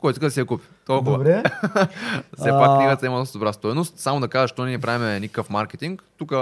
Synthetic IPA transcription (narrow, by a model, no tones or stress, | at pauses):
kɔjt̪ikəd̪ɐsiɐkupi̥t̪olˠkkʊvəbɾɛ | ssɛpakkːniɡət̪ɐiməd̪ɔst̪d̪obɾast̪ɔjnost̪samod̪ɐkaʒəʃt̪onɛnipɾavimɛnikə̥kəfmaɾkʲɛt̪iŋkt̪ukə